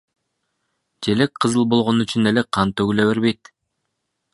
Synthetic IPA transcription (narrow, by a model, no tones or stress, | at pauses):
d͡ʒe̞lekqʰɯzɯlˠbo̞lˠʁo̞nyt͡ʃyne̞leqʰɑnt̪øɡyleβe̞ɾβe̞jt̪̚